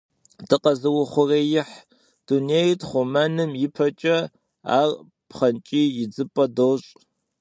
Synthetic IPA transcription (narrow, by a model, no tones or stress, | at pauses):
d̥ʰɨqɐzɨwʊχʷʊreːjɪħ | d̥uneːjtχʷʊmanɨmjɪpʰɐt͡ʃʼɐ | a̰ːr | pχɐnt͡ʃʼiːjɪd͡zɨpʼɐdoːɕʼ